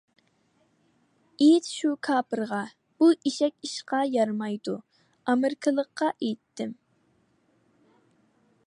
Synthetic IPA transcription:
ejt̪ʃukʰɑːpɨɾʁɑ | b̥uʔiʃɛkʲiʃqɑjɑɾmɑjd̪u | ɑmɪɾkʰəlˠəqːɑʔejt̪ʰːɪm

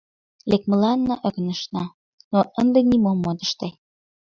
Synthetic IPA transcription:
lek̚mə̆lɑnːɤ̆ʔə̆ɣ̆nəʃnɑ | noʔənd̪ĕnimomːod̪əʃt̪e

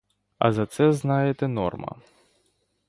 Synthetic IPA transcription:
ɐ̰zɐt̪sɛznajɛt̪ɛnɔ̰rmɐ̰

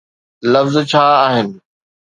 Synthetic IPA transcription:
lɐfzt͡ɕʰaːɦɪnɪ̆

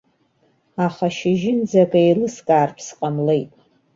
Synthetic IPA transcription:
aχaʃɪʒɪnd͡zaɡʼaejlɨskʼaːrpʰsqʼamle̞jtʼ

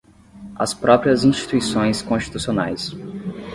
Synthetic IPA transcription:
ɐ̰spɾɔpɾiɐzĩʃt͡ʃi̥t̪uisõj̃skõst͡ʃi̥t̪usionajs

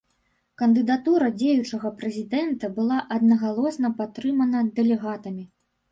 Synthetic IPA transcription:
kɐnd̪ɨd̪at̪uɾɐd͡zʲejut͡ʂɐɣɐpɾɛzʲid̪ɛnt̪ɐbɨlˠaʔɐd̪nɐɣalˠɔsnɐpat̪ːɾɨmɐnɐd̪ɛlʲɛɣat̪ɐmʲi

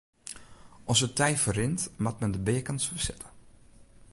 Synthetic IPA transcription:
ʔɔnszətɛjfərɪntmat̚mɛndəbeːəkənsfəsɪtʰə̥

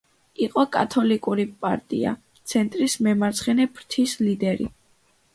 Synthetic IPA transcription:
iqʼɔkʼat̪ʰɔlikʼuɾipʼa̰ɾt̪ʼḭa̰ | t̪sʰɛnt̪ʼɾismɛmaɾt̪sʰχɛnɛpʰɾt̪ʰislid̪ɛɾḭ

